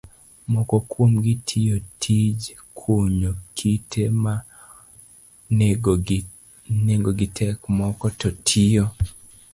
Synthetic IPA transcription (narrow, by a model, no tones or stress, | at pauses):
mɔkɔkwomɡitʰijotʰid͡ʒ | kʰoɲokʰitʰema | neŋɡoɡitʰɛkmɔkɔtɔtʰijo